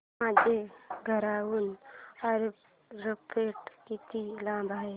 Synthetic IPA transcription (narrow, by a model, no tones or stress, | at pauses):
ãːd͡ʒeɡʱəɾaːwunaɾ | ɾopʰeːʈkit̪ilãːbʱaːe